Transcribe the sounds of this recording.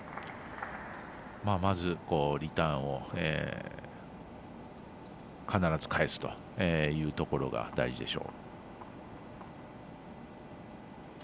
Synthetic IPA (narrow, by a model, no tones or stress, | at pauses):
maːmazɨko̞ːɾʲit̪ãɰ̃o̞ḛː | kʰanaɾazɨ̥kaesɨ̥t̪o̞̥ | eːjɯ̟ːt̪o̞ko̞ɾo̞̰ɡa̰d̪aiʑid̪e̞̰ɕo̞̰ː